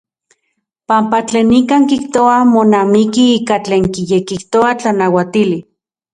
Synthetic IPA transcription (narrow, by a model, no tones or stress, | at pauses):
pampat͡ɬeːnikaːŋkiht̪oamonamikiiːkat͡ɬeːŋkijekiht̪oat͡ɬanawat̪ili